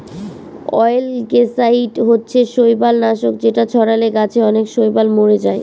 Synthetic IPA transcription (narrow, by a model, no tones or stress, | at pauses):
ɔ̰jlkesaiʈɦotːɕʰeʃojbalnaʃok̚d͡ʑeʈat͡ɕʰɔɽaleɡat͡ɕʰeɔnekʃojbalmoɾed͡ʑae